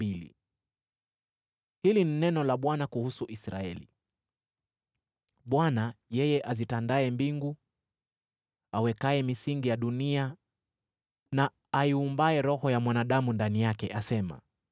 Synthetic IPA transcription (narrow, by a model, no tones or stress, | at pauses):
ilḭ | hilininɛnɔlaɓwanakuhusuʔisɾa̰ɛlḭ | ɓwanajɛjɛʔazitandaɛmbiŋɡu | awɛkaɛmisiŋɡijaɗunia | naː | iumbaɛɾɔhɔjamwanaɗamundanijakɛʔasɛma̰